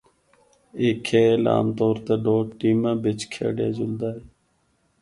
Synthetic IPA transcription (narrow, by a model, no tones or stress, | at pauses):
eːkʰeːla̰ːmt̪oːɾt̪eːɖoːʈiːmãːbɪt͡ʃkʰḛːɖḛːd͡ʒʊld̪aːɦeː